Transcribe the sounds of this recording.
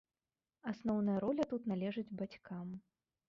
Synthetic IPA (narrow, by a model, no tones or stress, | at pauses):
asnɔwn̪ɐjɐɾɔlʲɐt̪ut̪nalʲɛʐɨd͡zʲbat͡sʲkam